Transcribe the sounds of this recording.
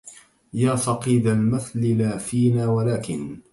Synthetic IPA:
jaːsɑqiːd̪almaθlɪlaːfiːnaːwalaːkɪn

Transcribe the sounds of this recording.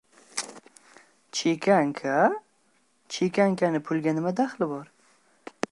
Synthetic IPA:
t͡ʃʰekʲʰaŋkʰa | t͡ʃʰekʲaŋkʰʲanɪpʰʊlɡʲanɪmad̪aχlɪbɒɾ

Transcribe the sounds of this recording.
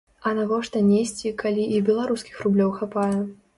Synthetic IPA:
ɐnaɣɔʂt̪ɐnʲesʲt͡sʲikʰalʲiʔːbʲɛlˠaɾuskʲi̥xrublʲɔwxapajɛ

